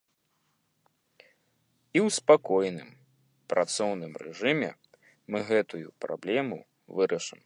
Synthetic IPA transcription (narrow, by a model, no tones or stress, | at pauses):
iwspakɔjnɨm | pɾat̪sɔwnɨmrɛ̰ʐɨmʲɛ̰ | mɨɣɛt̪ujṵpɾa̰blʲɛmu | vɨɾʔɐʂɨm